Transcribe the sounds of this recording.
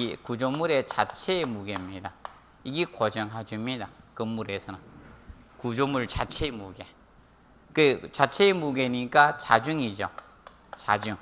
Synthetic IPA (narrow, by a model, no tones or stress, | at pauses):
kud͡ʑomuɾet͡ɕat͡ɕʰeːmuɡemɲida | iɡekod͡ʑʌŋɦad͡ʑimɲidakɯmːuɾesʰʌna | kud͡ʑomuɭt͡ɕat͡ɕʰemuɡe | kɯt͡ɕat͡ɕʰemuɡeɲik͈at͡ɕad͡ʑuŋid͡ʑo | t͡ɕad͡ʑuŋ